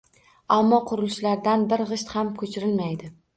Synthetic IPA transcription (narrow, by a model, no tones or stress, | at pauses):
amːɒqʰʊɾɪlɪʃlaɾd̪anbɪɾʁɨʃt̪hamkʰɵt͡ʃʰɪɾɪlmajd̪ɪ